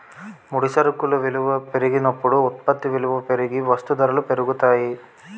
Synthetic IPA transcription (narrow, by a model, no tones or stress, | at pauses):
muɽisɐɾukːuluʋiluʋɐpeɾiɡinɐpːuɽuːt̪̚pɐt̪ːiʋiluʋɐpeɾiɡiʋɐst̪ud̪ɐɾɐlupeɾuɡut̪aːji